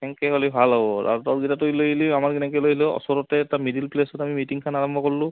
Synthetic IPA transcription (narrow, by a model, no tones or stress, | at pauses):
kɛŋkɛkolibʱalɦɔbɔta̰ɹtɔɡitatojlojiliamaɹkinɛkɛjlojilɛɔ̰sɔɹɔtɛːtamidilplesɔtamimitiŋkʰanaɹɔmbʱɔkɔɹlʊ̃